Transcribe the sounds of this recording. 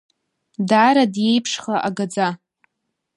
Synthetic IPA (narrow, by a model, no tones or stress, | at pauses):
daɾadje̞jpʰʂχaʔaɡad͡za